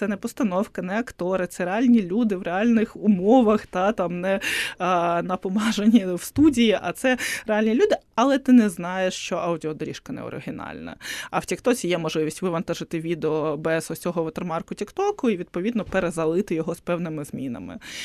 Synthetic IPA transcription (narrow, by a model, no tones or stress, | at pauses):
t̪ɛnɛpɔst̪ɐnɔwkɐnɛɐkt̪ɔɾɪt̪sɛɾealʲnʲilʲud̪ɪʋrealʲnɪxʊmɔʋɐxt̪ɑt̪ɑmnɛ | nɐpɔmɑʒenʲːiwst̪udʲijiʔɐ̰t̪sɛrealʲnʲilʲud̪ɪɐlˠɛt̪ɪnɛznɑjeʃt͡ʃɔʔɐudʲiɔd̪ɔɾʲiʃkɐnɛ̰ɔ̰ɾɪ̰ɦʲɪnɑ̰lʲnɐ̰ɐwtʲikt̪ɔt͡sʲijɛmɔʒlɪʋʲisʲtʲʋɪʋɐnt̪aʒɪt̪ɪʋʲid̪eɔbɛɛzɔsʲɔɦɔʋɐt̪ɐrmɑrkʊtʲikt̪ɔkʊiʋʲid̪pɔʋʲid̪nɔpeɾezɐlˠɪt̪ɪjɔɦɔspɛwnɪmɪzmʲinɐ̰mɪ̰